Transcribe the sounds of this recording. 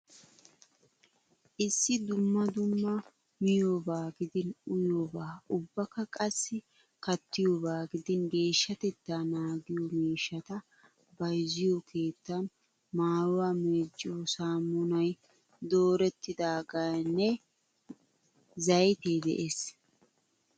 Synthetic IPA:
ʔɪsːɪd̪ʊmːɐd̪ʊmːɐ | mɪjoːbaːɡɪd̪ɪnʊjoːbaːʊbːɐkːɐkʼɐsːɪ | kɐt̪ːɪjoːbaːɡɪd̪ɪnɡe̞ːʃːɐt̪ɛt̪ːaːnaːɡɪjɔmiːʃːɐt̪ɐ | bɐjzɪjokʰe̞ːt̪ːɐn | maːɾʊwaːmeːd͡ʒːɪjosaːmːʊnɐj | d̪o̞ːɾɛt̪ːɪd̪aːɡajnːɛ | zɐjt̪eːd̪ɛ̰ʔes

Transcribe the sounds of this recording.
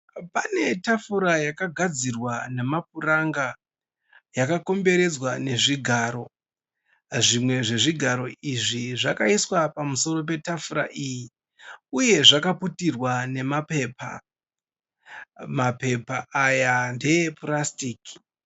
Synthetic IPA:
pane̞tafuɾajakaɡʱad͡zirwane̞map̚uraŋɡa | jakako̞mbe̞ɾe̞d͡zwane̞ʐiɡʱaːɾo̞ | ʐimwe̞ʐe̞ʐiɡʱaɾo̞iʐiʐakaiswapamuso̞ɾo̞p̬e̞tafuɾa̰ʔiji | uje̞ʐakaputirwane̞mape̞ːpa̰ | mape̞paːjande̞eprastiːki̥

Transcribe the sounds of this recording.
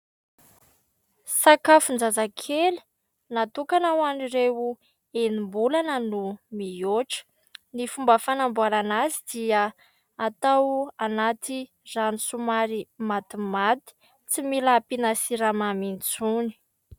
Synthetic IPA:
sakafund͡zazakʰel̥ | nat̪ukanawaniɾewu | enimbulanənumijoʈ͡ʂə̥ | nifumbəfanambuaɾanazid̪̥ia | at̪awanat̪i | ranisumaɾimat̪imat̪i̥ | t͡similapinasiɾamamint͡suni̥

